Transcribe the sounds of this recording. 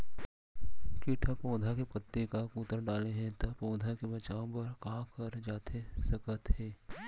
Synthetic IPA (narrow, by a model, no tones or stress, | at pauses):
kiʈʰapõːd̪ʱakepət̪ːekakuːt̪əɾɖaːleɦɛ̃t̪apõːd̪ʱakebɐt͡ʃaːõpɐɾkakəɾd͡ʒaːt̪ʰesɐkət̪ɦɛː